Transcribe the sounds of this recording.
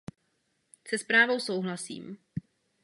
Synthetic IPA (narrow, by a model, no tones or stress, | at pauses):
sɛspɾaːvo̞wso̞wɦlasḭːm